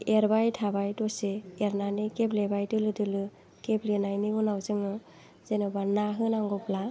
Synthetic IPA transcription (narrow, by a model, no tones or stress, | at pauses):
eɾbajtʰabajtɔseːɾnanikeplebajtɯlɯdɯlɯ | keplenajniunawzɯŋnɯ | z̥enɔbanaɦɯnaŋɡɔpla